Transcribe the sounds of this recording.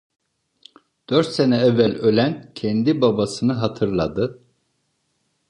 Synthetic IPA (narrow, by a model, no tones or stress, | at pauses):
d̪̥øɾt̪senɛɛvːælʲø̞lʲæncʰɛnd̪ibabasɯnɯɦat̪ʰɯɾlˠad̪ɯ